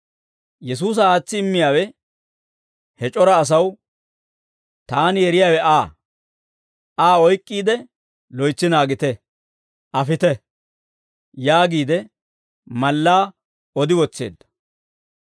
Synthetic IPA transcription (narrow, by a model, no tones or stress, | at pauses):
jɛs̬uːs̬ɐaːt͡sːɪːmːɪjaːwɛ | hɛt͡ʃʼɔɾɐːs̬ɐw | t̪aːnjɛɾɪjaːwɛʔaː | aːɔjkʼːiːd̪ɛ | lɔjt͡sːɪnaːɡɪt̪ɛ | ʔɐfɪt̪ɛ | jaːɡiːd̪ɛ | mɐlːaː | ɔd̪ɪwɔt͡sːḛːd̪ːɐ̥